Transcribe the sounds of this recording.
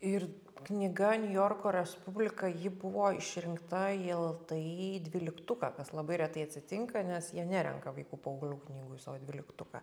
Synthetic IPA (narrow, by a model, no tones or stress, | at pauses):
ɪr | knʲɪɡɐnʲʊjoːrkoːɾʲɛspʊbʲlʲɪkɐjɪbʊʋoːɪʃʲɾʲɪŋkt̪ɐɪlˠt̪ɐɪd̪ʲʋʲɪlʲɪkt̪ʊkɑːkɐslˠɐbɐɪɾʲɛt̪ɐɪɐt̪ʲsʲɪt̪ʲɪŋkɐnʲɛsjiɛnʲæɾʲɛ̰ŋkɐʋɐɪkuːpɐɐʊɡlʲuːknʲiːɡʊsɑːʋoːd̪ʲʋʲɪlʲɪkt̪ʊkɑ̰ː